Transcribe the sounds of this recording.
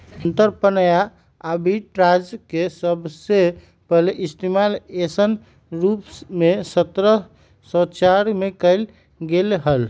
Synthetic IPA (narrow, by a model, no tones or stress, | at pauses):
ənt̪əɾpənaja | abiʈɾad͡ʒkesəbse | pəɦleʔist̪imalesən | ɾupsmesət̪ɾə | sə̃t͡ʃaɾmekəɪl | ɡelɦəl